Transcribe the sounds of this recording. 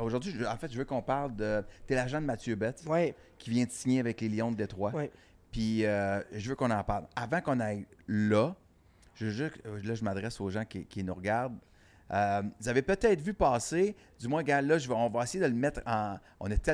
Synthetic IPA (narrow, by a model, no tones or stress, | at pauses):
oʒʊʁdzɥiʒɑ̃fɛt̪ʒəvøkɔ̃paʁld̪ət̪ɛlaʒãd̪əmat͡sjøbɛt̪wi | kʲivjɛ̃d̪əsiɲeavɛkleljɔ̃d̪əd̪et̪ʁwawi | piøʒəvøkɔ̃nɑ̃paʁlavãkɔ̃najlʌ | ʒ̥əøʒølʌʒəmad̪ʁɛsoːʒãkʲikʲinuʁɡaʁd̪ | ømuzavɛpət̪ɛɪt̪vypɑːse | d̪ymwɛ̃ɡãlʌʒəvɔ̃vʌesejed̪ələmɛt̪χɑ̃ | ɔ̰̃nɛt̪ɛ